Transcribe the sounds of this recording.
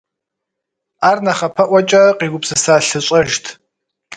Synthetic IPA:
aːrnɐχɐpʰɐʔʷɐt͡ʃʼɐqʼiːɡʷʊpsɨsaːɬɨɕʷʼɐʒtʰ

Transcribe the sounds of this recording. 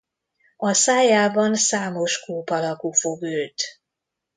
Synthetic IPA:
ɒsaːjaːbɒnsaːmo̞ʃkuːpɒlɒkufo̞ɡølt̪

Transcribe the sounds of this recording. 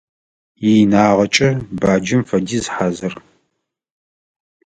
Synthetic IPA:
jinaːʁɐt͡ʃʼɐbaːd͡ʒɪmfɐdiːzħazɨr

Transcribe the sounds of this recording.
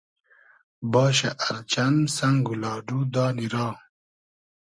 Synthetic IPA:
bɑːɕ̬aʔaɾt͡ɕansaŋɡulɑːɖud̪ɑːniɾɑː

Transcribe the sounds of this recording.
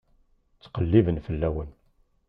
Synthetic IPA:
t͡sːqəlːivənfəlːæwən

